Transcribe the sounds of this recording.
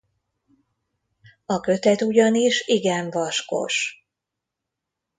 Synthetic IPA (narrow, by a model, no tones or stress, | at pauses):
ɒkø̞t̪ɛt̪uɟɒniʃiɡɛɱvɒʃko̞̰ʃ